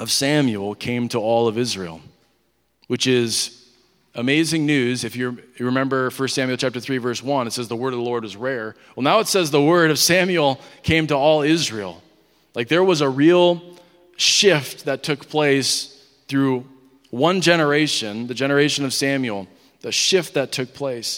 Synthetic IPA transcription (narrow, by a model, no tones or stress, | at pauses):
ʌv̥sæ̃mjul̩ˠkʰẽɪ̃mtʰəɔlˠʌvɪzɹḭlˠ | wɨt͡ʃɪz | əmeɪzɪ̃ŋnʉzɨfjɨɨɹɨmɛ̃mbə˞fɜ˞stsæ̃mjl̩ˠt͡ʃʰæp̚tə˞θɹivɜ˞swʌ̃nɨtsɛzðəwɜ˞ɾʌvðəlɔɹd̚wʌzɹɛɹwɛlˠnaʊətsɛzðəwɜ˞ɾʌv̥sæ̃mjl̩ˠkʰẽɪ̃mtəɔlˠɪzɹil̩ˠ | laɪk̚ðə˞wʌzəɹilˠ | ʃɪft̪̚ðɨtʰʊk̚pʰl̥eɪs | θɹʉ | wʌ̃nd͡ʒɛnə˞eɪʃɨ̃nðɨd͡ʒɛñə˞eɪʃɨ̃nʌv̥sæ̃mjl̩ˠ | ðɨʃɪft̪̚ðɨtʰʊk̚pʰl̥eɪs